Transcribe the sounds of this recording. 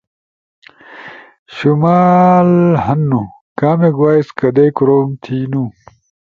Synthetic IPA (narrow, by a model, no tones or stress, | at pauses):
ɕumaːlhɐnːu | kaːmeɡwaːjskɐd̪eːkuɾoːmt̪ʰiːnu